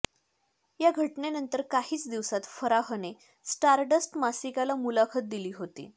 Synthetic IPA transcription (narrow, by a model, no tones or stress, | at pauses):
jaɡʱəʈnenənt̪əɾkaɦiːt͡sd̪iʋsat̪fəɾaɦəne | sʈaɾɖəsʈmasikalamulakʰət̪̚d̪iliːɦot̪ḭː